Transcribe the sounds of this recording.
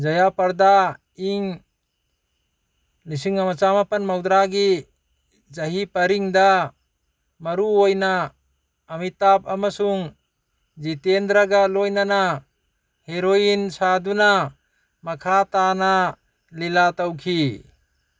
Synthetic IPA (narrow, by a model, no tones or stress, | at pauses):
d͡ʒajapaɾd̪a | iŋ | lisiŋamat͡ʃamapanmawd̪ɾaɡi | zaɦipaɾiŋd̪a | maɾuojnaː | mit̪apamasuŋ | d͡ʒit̪end̪ɾaɡalɔjnana | heɾojinsad̪una | makʰat̪ana | lilat̪awkʰi